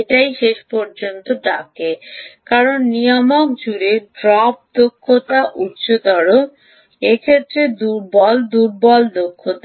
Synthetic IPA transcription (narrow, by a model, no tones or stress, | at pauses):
ʈajʃeʃpɔɾd͡ʑont̪oɖakekaɾonːijamok̚d͡ʑuɾeɖɾɔp̚d̪okʰːot̪aʔutɕʰod̪ɔɽo | ekʰet̪ːɾed̪uɾbɔld̪uɾbɔld̪okʰːot̪a